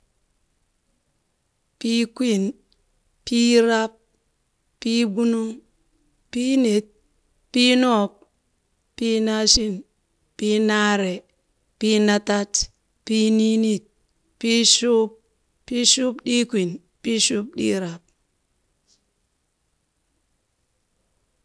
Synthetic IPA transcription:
pi˦kʷi˦˨n | pi˦ɾa˦p̚ː | i˦bu˦nu˦ŋ | pi˦ne˨t̚ | pi˦no˦˨p̚ | pi˦na˦ʃi˦n | pi˦na˦ɾe˨ | pi˦na˦ta˦t | pi˦ni˦ni˦t̚ | pi˦ʃu˦p̚ | pi˦ʃu˦pɗi˦kʷi˨n | pi˦ʃu˦p̚ɗḭ˦ɾa˨p̚

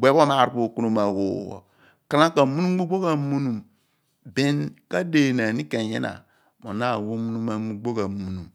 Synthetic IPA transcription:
ɡ͡be˦bo˦ma˦˨ɾpo˦˨ku˦nu˦ma˨wo̰˨wo̰˨ | ka˦na˦ka˨mu˦nu˦ɡ͡bu˦ɡ͡bo˦ka˨mu˦nu˨m | be˦nka˦de˨na˨ni˦ka˨jḛ˦na̰˨ | mo̰˨na˦˨wo˦mu˦nu˦ma˦mu˦ɡ͡bo˦ka˨mu˨nu˨m

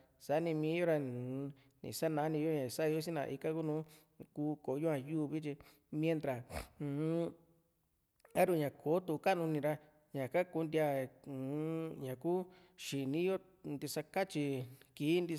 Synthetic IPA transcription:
sa˨˦nĩ˧mĩː˧˦jo˦ɾa˧ | nḭ̃˨sa˦nã˧˦nĩ˧jo˦ɲã˨sa˦˧jo˦s̬i˦nã̰˧ʔi˧ka˦ku˦nũː˦ | kuː˧ko˨˦jo˦ã˧˨juː˦˨˧βi˦t͡ʃi˧ | mj̃ẽ˧nt̪ɾã˨˧˨ | a˦ɾu˧˨ɲã˨kʰo˨˦t̪u˧ka˦˨nũ˧nĩ˧ɾa˧ | ɲã˨ka˦ku˧nd̪i˧a˧˨ | ɲã˨ku˦ | ʃi˨nĩ˦jo˦ | nd̪i˧sa˧ka˦t͡ʃi˧ki˨˦nd̪i˧

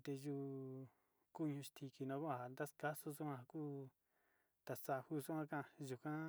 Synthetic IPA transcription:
t̪e˧ʒu˧ | ku˦˧ɲũ˧ʃt̪ʰi˧ki˧nã˧˦ku˦ã˨a˨nd̪a˦ska˦su˦su˦ã˧kuː˦ | t̪a˧˨sa˧hu˦˧su˦ã˦˧kã˦˧˨ʒu˧kã˦

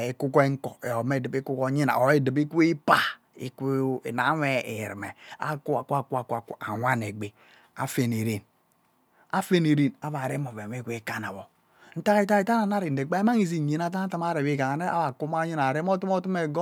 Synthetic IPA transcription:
e˦ku˦ko˦e˦ŋ̩˦ko˨e˨o˨me˦˨dɨ˨bi˦ku˦ko˦ɲi˦na̰˨o˨e˦˨dɨ˨bi˦kʷi˦pa˨ | ḭ˦kna˨˦we˦ḭ˨ɾḭ˨mḛ˨a̰˦ku˦a˨ku˦a˨ku˦a˨ku˦a˨ka̰˨wʷa˦ne˨ɡ͡be˨ | a̰˨fe˦˨ne˨ɾe˦n | a˦fe˦ne˨ɾe˦na˨βa˨ɾe˦mo˨ve˨e˦ku˦i˦ka˦na˨βo˨ | n̩˦ta˦ta˦i˦ta˦na˨na˦ɾi˨n˨e˨k͡pa˦e˦ma˦ŋi˦zi˦˨ɲi˨n˦a˦ta˦ta˦ma˦ɾe˨i˦˨ka˨ŋa˨ne˦a̰˦βa˨ku˦ma˦ɲi˦na˨ɾe˦m˦o˦tu˦m˦o˦tu˦me˨ɡo˦

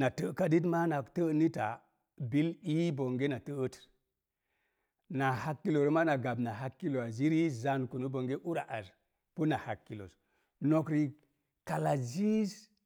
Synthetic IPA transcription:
na˨tə˦ka˦di˦t̬ma˦na˨ktə˦ni˦ta̰˨ | bi˦li˦bo˨ŋɡe˦na˨tə˦ə˦t | na˨ha˦kːi˦lo˨ɾo˦ma˦na˨ɡa˨bna˨ɦa˦kːi˦lo˨a˨zi˦ɾi˦za˨nku˨nu˦bo˨ŋɡe˦ʔu˦ɾa˨ʔa˨ɾ | pu˦na˨ha˨kːi˨lo̰˨s | no˨kɾi˨ | ka˨la˨zi˦s

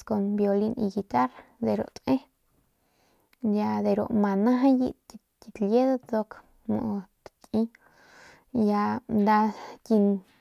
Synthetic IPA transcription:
sko˧nbjo˧li˧nḭ˧ɡi˧t̪a˦ɾd̪e˨ɾo̰˨ʔt̪ʼʔe˦ | ja˧d̪e˨ɾo̰˨ʔma˨nã˦ɦa˦jḭ˦ | t̪i˧k̪lje˦d̪a˦t͡s̪o˧k | mo̰˨ʔt̪t̪ʼi˦ | ja˧nd̪a˧tʲi˧ŋ

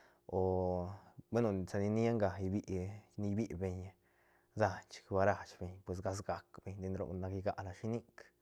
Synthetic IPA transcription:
o˨ | be˦no˨sa˧ni˧ni˦a˦ŋɡa˨jbi˦ʔni˧˦bi˦ʔbe˧ɲ | za˦˧nt͡ʃkba˧ɾa˧˨t͡ʃbe˧ɲpwe˨s̬ɡa˧s̬ɡa˨kbe˧ɲd̪i˧nɾo̰˨na˧ki˧ɡa˦˧ʔla˧ʃi˧ni˦k

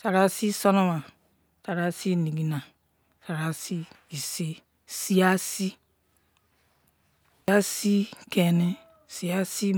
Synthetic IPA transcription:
sa˨ɾa˦si˦so˦no˦ma˨ | sa˨ɾa˦si˦ni˨ɡi˨na˨ | sa˨ɾa˨si˦i˨si˦ | si˦a˦si˦ | a˦si˦ke˨ni˦ | si˨a˦si˦

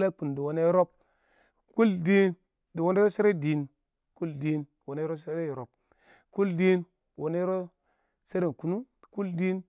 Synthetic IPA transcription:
la˦k͡pu˨n˨di˨wo˨ne˦ɾo˦p̚ | ku˦ldi˦n | di˨wo˦ne˦ɾo˦se˦ɾe˦˨di˨n | ku˦ldi˦n˨wo˨ne˦ɾo˦se˦ɾe˦˨ɾo˨p̚ | ku˦ldi˦n˨ | wo˨ne˦ɾo˦ | se˦ɾi˦˨n˨ku˨nu˦ | ku˦ldi˦n

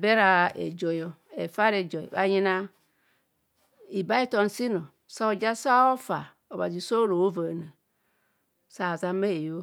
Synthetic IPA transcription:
be˦ɾa˨ḛ˨d͡ʒo˨jo˨ | ḛ˨fa˦ɾe˨d͡ʒo̰˨βa̰˨ji˦na˦ | i˨ba˦i˦to˦n˨si˦no˨ | sa˦o˨d͡ʒa˦sa˦o˦fa˨ | o˨ba̰˨zi˨so˦ɾo˨o˦va˨na˨ | sa˨za˨me˦e˨jo˦

